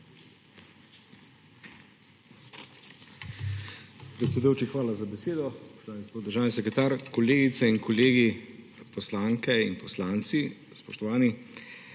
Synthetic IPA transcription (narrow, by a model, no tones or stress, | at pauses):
pɾɛt̪sʲɛd̪ujuwt͡ʃixʋaːlazabɛseːd̪ɔspɔ̥ʃt̪ɔʋaːniɡɔspot̪d̪əɾʒaːwnisɛkɾɛt̪aːɾkɔleːɡit̪sɛinkʰɔleːɡi | pɔslaːŋkɛinpɔslaːnt̪si | spɔʃt̪ɔʋaːni